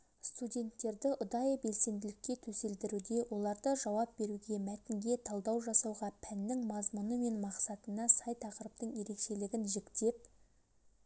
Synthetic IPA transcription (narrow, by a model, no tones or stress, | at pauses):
st̪udʲe̞nt̪ːe̞ɾd̪ɪʔʊd̪ɑjbe̞lse̞nd̪ɪlɪk̚ʲːe̞t̪ʰɵse̞ld̪ɪɾud̪e̞wʔo̞lˠɑɾd̪əʒɑwɑp̚be̞ɾuɡʲe̞mæt̪ɪŋɡʲe̞t̪ʰɑlˠd̪ɑwʒɑsɑwʁɑpʰænːɪŋmɑzmʊnəme̞nmɑqsɑt̪ənɑsɑjt̪ʰɑqəɾəp̚t̪əɴje̞ɾe̞kʃe̞lɪɡʲɪnʒɪkt̪e̞p̚